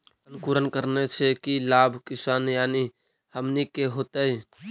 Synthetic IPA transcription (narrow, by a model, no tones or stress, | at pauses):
ənkuɾənkəɾnesʰekilabʱkɪsaːnjaːni | həmnikeɦot̪əi